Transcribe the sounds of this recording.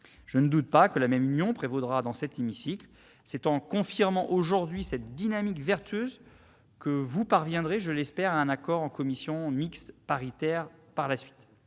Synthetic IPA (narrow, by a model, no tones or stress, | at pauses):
ʒ̥ənəd̪ut̪̚pakəlamɛmynjɔ̃pχevod̪ʁad̪ɑ̃sɛt̪emisikl | sɛt̪ɑ̃kɔ̃fiʁmɑ̃ʔoʒuʁd̪ɥisɛt̪̚d̪inamikvɛʁt̪ɥøz | kəvupaʁvjɛ̃d̪ʁeʒəlɛspɛʁaɛ̃nakɔʁɑ̃kɔmisjɔ̃mikst̪paʁit̪ɛʁpaʁlasɥi̥t̪